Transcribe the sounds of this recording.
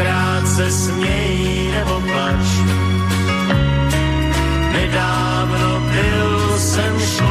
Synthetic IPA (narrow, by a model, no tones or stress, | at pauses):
ɾaːt̪sɛsmɲɛji | nɛʔopat͡ʃ | nɛdaː | vnobɪ | l | sɛmʃ